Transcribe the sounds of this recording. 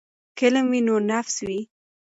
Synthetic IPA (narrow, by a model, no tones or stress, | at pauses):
kɪləmwinonafswi